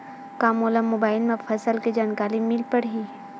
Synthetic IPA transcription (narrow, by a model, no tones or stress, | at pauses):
kaːmoːləmːobaːɪlmẽfʰɐsəlked͡ʒaːnkaːlimilpəɽɦiː